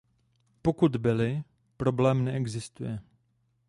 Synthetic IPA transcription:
pokud̪bɪlɪ | pɾo̞blɛːmnɛʔɛɡzɪst̪ujɛ

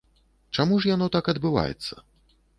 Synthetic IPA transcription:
t͡ʂamuʂjanɔt̪akɐd̪bɨva̰jɛ̰t̪sːɐ̥

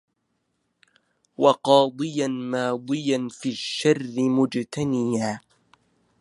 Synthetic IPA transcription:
wɑqɑːd̪ˤɨjanmɑːd̪ˤɨjanfiːʃːɑrːɪmʊd͡ʒt̪anɪjaː

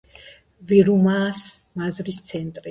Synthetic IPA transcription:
viɾumaːsmazɾist̪sʰɛnt̪ʼɾi

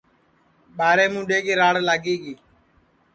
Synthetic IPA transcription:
ɓaːɾeːmũːɗeːɡeːɾaːɽlaːɠiːɡiː

